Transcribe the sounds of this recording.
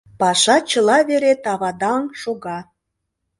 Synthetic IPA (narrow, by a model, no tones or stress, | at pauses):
pɑʃɑt͡ɕəlɑβeɾet̪ɑβɑd̪ɑŋʃoɣɑ